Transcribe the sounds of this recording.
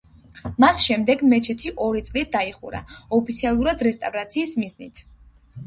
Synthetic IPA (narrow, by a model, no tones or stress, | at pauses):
masʃɛmd̪ɛɡmɛt͡ʃʰɛt̪ʰiʔɔɾit̪sʼlid̪aiχṵɾa̰ɔpʰit̪sʰialˠuɾad̪ɾɛst̪ʼavɾat̪sʰiːsmiznit̪ʰ